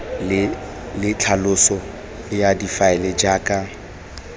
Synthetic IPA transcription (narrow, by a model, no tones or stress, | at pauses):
lɪt͡ɬʰalʊsɔ | jadifaɛlɛd͡ʒaːkʼa